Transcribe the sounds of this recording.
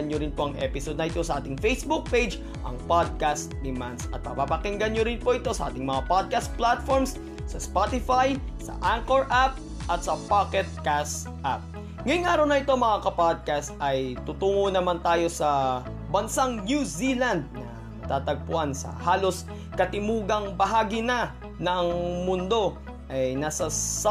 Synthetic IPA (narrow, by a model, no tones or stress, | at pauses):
ɐnɲjoɾɪnpo̞ʔɐŋʔɛ̰pɪsod̪nɐʔɪt̪o̞sɐʔaːt̪ɪŋfejsbuk̚pejd͡ʒ | ʔɐ̰ŋpad̪̚kast̪d̪ɪmansɐ̰t̪̚mɐpapɐkɪŋɡɐɲjoɾɪnpo̞ʔɪt̪o̞sɐʔa̰ːt̪ɪŋmɐŋapad̪̚kast̪̚plat̪foɹms | sɐspat̪ɪfajsɐ̰ʔaŋkoɹʔap̚ | ʔɐt̪̚sɐpakɛt̪̚kast̪ | ʔap̚ | ŋɐjʊŋʔaːɾɐwnɐʔɪt̪oŋmɐŋakɐpad̪̚kast̪ʔɐjt̪ʊt̪uːŋonɐmant̪aːjo̞sɐ | bɐnsaŋnjusiland̪̚nɐ | t̪aːt̪ɐɡ̚pʊʔansɐ̰haːlo̞s | kɐt̪ɪmuːɡɐŋbɐɦaːɡinɐ | nɐʔɐŋmʊnd̪o̞ | ʔɐjnaːsɐs